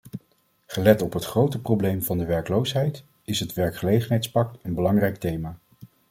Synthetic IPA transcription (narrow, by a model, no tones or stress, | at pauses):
χəlɛtɔpɦətχrowtəprowblejmvɑndəʋɛɹkəlowsɦɛjt | ɪsɦətʋɛɹkχəlejχənɦɛjtspɑk̚tənbəlɑŋrɛjk̚tejmaː